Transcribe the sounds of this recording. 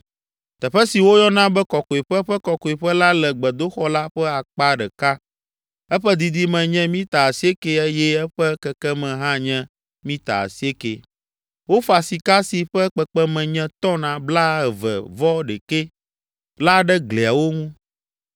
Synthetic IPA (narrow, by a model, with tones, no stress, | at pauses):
t̪ɛ˨ɸɛ˦si˨wo˦jɔ˦nã˦bɛ˦kɔ˨kɔ˨i˨ɸɛ˦ɸɛ˦kɔ˨kɔ˨i˨ɸɛ˦la˦lɛ˨ɡ͡bɛ˨d̪o˦xɔ˦la˦ɸɛ˦a˨k͡pa˦ɖɛ˨ka˦ | ɛ˦ɸɛ˦d̪i˨d̪i˦mɛ̃˨ɲɛ̃˦mĩ˦t̪a˨a˨si˦e˦ke˨e˦jɛ˦ɛ˦ɸɛ˦kɛ˨kɛ˦mɛ̃˨ɦã˦ɲɛ̃˦ | mĩ˦t̪a̰˨a̰˨si˦e˦ke˨ | wo˦fa˨si˨ka˦si˨ɸɛ˦k͡pɛ˨k͡pɛ˦mɛ̃˨ɲɛ̃˦t̪ɔ̃˦nã˨bla˦ɛ˨vɛ̰˨vɔ˦ɖɛ˨ke˦ | la˦ɖɛ˦ɡle˨a˨wo˦ŋũ˦